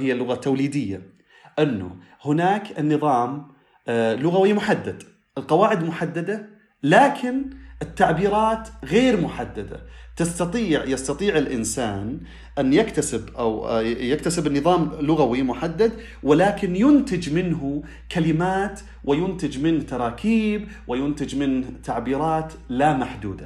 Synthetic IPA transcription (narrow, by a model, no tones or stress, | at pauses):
hɪjːalːʊɣat̪ːawliːd̪ɪjːa̰ | ʔɪnːʊ̰ | hʊnaːkɪnːɨðˤɑːm | lʊɣawimʊħad̪ːad̪ | ʔɪlqɑwaːʕɪd̪mʊħad̪ːad̪a | laːkʰɪnʔɪt̪ːaʕbiːɾɑːt̪ɣeːɾmʊħad̪ːad̪a̰t̪ɪst̪ɑt̪ˤiːʕjɑst̪ɑt̪ˤiːʕɪlʔɪnsa̰ːn | ʔanːjakt̪asɪbʔa̰wjakt̪asɪbɪnːɨðˤɑːmlʊɣawimʊħad̪ːad̪ | wɪlaːkɪnjʊnt̪ɪd͡ʒmɪnɦʊ | kalɪmaːt̪ | wɪjʊnt̪ɪd͡ʒmɪnht̪ɑɾˤɑːkʰiːb | wʔɪjʊnt̪ɪd͡ʒmɪnht̪aʕbiːɾˤɑːt̪ | lamaħd̪ṵːd̪a